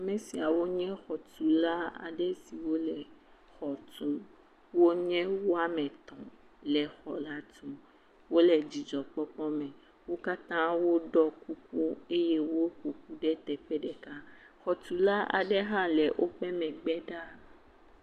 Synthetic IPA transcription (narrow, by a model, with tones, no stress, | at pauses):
a˨mɛ̃˨si˨a˨wo˦ɲɛ̃˦xɔ˨t̪u˨la˦a̰˨ɖɛ˦si˨wo˦lɛ˨ | xɔ˨t̪ũ˦ | wo˦ɲɛ̃˦wo˦a˨mɛ̃˨t̪ɔ̃˨ | lɛ˨xɔ˨la˦t̪ũ˦ | wo˦lɛ˨d͡ʒi˨d͡ʒɔ˨k͡pɔ˦k͡pɔ˦mɛ̃˨ | wo˦ka˦t̪ã˦wo˦ɖɔ˦ku˦ku˦e˦je˦wo˦ko˨k̚u˦ɖɛ˦t̪ɛ˨ɸɛ˦ɖɛ˨ka˦ | xɔ˨t̪u˨la˦a̰˨ɖɛ˦ɦã˦lɛ˨ʔo˦ɸɛ˦mɛ̃˨ɡ͡bɛ˦ɖa˦